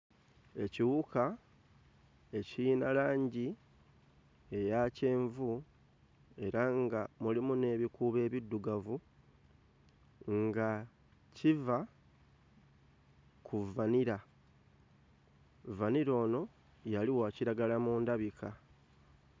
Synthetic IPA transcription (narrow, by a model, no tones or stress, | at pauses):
e̞ciwuka | e̞ciinalaːɲɟi | e̞jace̞ːɱvu | e̞ɾaŋɡamulimune̞ːβikuβe̞ːβidːuɡavu | ŋɡa | civa | kʰuvaniɾa | vaniɾo̞ːno̞ | jaliwaːciɾaɡalamuːndaβikʰa